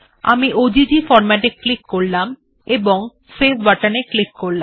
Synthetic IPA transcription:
a̰miʔod͡ʑid͡ʑifɔɾmaʈeklikːoɽlam | eboŋ | sesbaʈaneklikːoɾlam

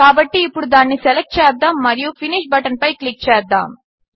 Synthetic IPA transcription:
aːbɐʈːiːpːʊɽud̪anːisɛlɛk̚ʈ̚t͡ʃaːp̚d̪aːmːɐɾɪjũfɪniʃbɐʈɐnpɐɪklɪk̚t͡ʃaːɾ̚d̪a̰ːm

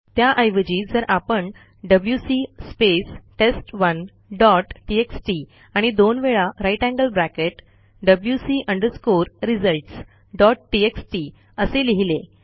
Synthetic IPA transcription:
t̪jaʔəjʋəd͡ʑiːd͡zəɾʔapəɳ | ɖəbljusispesʈesʈʋən | ɖɔʈʈieksʈi | aɽ̃id̪onʋeɭaɾajʈæ̃ŋɡəlbɾækeʈ | ɖəbljusiʔəɳɖəɾskoɾɾid͡zəlʈs | ɖɔʈʈieksʈi | əseliɦile

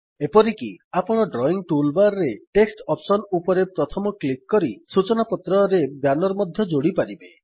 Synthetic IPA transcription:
epɔɾikiapɔɽ̃ɔɖɾɔiŋʈulbaɾɾeʈeksʈɔpsɔnupɔɾepɾɔt̪ʰɔmɔklikːɔɾisut͡ʃɔnapɔt̪ɾɔɾebjanɔɾɔmɔd̪ʱjɔd͡ʒoɽipaɾibe

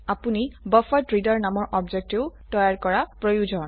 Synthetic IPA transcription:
apunibɔfɔtɹidɔɹnamɔɹʔɔbd͡ʒek̚teʊtɔjaɹkɔɹapɹojud͡ʒɔn

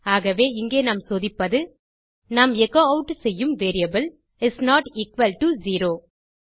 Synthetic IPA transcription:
aːɣɐʋeːɪŋɡeːnaːmsoːðɪpːɐðɯ | naːmɛkoːɐʊʈːsɛjːɯmʋeːɾɪɐbɪl | ɪsnaːʈiːkʋɐlʈuziːɾoː

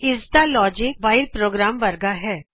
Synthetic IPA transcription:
ɪsd̪alɔːd͡ʒɪk̚baːɪlpɾoːɡɾaːmʋɐɾɡaɦɛː

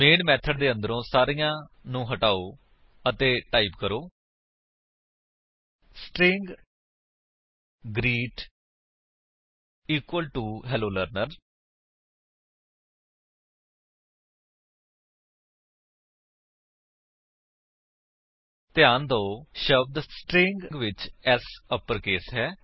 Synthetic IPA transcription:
meːnmɛːt̪ʰəɖd̪eːə̃nd̪əɾõːsaːɾijãːnũːɦəʈaːoː | ət̪eːʈaːiːpkəɾoː | sʈɾɪ̃ŋɡ | ɡɾiːʈ | iːkwəlʈuːɦɛːloːləɾnəɾ | t̪ɪjãːnd̪oːʃəʋd̪əsʈɾɪ̃ŋɡɡʋɪt͡ʃɛːsəpːəɾkeːsɦɛː

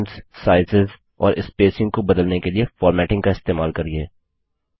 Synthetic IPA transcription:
ɳssaːɪzɪz | ɔ̰ːɾʔɪspeːsɪ̃ŋɡkobɐd̪əlnekeliefɔːɾmɛːʈɪ̃ŋɡkaɪst̪eːmaːlkɐɾieː

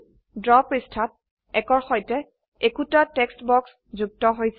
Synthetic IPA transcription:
dɹɔpɹistʰat̚ | ɛkɔɹxɔjtɛ | ekutatɛkstbɔks | zuɡ̚tɔɦojsɛ

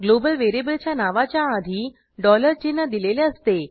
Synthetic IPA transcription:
ɡlobəlʋeɾebəlt͡ɕjanaʋat͡ɕjaːd̪ʱiː | ɖɔləɾt͡ɕenəd̪ileleəst̪e

